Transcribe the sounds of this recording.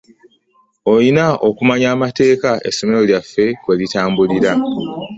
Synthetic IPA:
o̞jinaokumaɲaːmate̞ːkae̞̰so̞me̞ɾo̞ljafːe̞kwe̞litaːmbuliɾa

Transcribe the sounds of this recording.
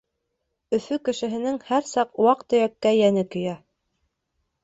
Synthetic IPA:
ɵ̆fɵkɘ̆ʃɘ̆ɦɘ̆nɘŋhæɾsɑqwɑqt̪ɵ̆jækːæjænɘkɵ̆jæ

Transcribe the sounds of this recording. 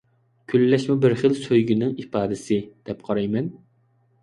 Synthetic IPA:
kʲʰylːɛʃmubɪɾχəlsøjɡʲinɪŋipɑːd̪ɪsɪd̪̥ɛpqʰɑɾɑjmɛn

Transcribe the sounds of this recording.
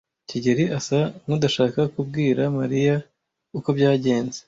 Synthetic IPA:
ciɟeɾiasamudaʃaːkakubɡiːɾamaɾija | uko̞bjaːɟe̞ːnze

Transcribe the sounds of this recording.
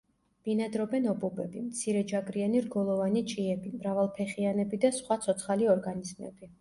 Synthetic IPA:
b̥inad̪ɾɔbɛnɔbubɛbimt̪sʰiɾɛd͡ʒaɡʼɾianiɾɡɔlˠɔvanit͡ʃʼiɛbimɾavalˠpʰɛχianɛbid̪asχwat̪sʰɔt̪sʰχaliɔɾɡanizmɛ̰b̥i

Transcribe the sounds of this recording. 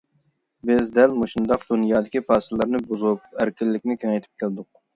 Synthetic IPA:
bɪzd̪ɛlmoʃund̪ɑqd̪unjɑːd̪ɪkʲipɑːsɨlːˠɨɾnɨbuzupæɾkʲʰilːɪkʲnɪkʲʰynŋɛjt̪ʰɪ̥p̚kʲʰæld̪ʊq̚

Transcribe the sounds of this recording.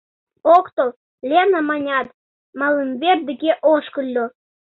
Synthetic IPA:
okt̪ol | lʲenɑmɑnʲɑt̪ | mɑləmβerd̪ə̆ɡeʔoʃkə̆lʲːo

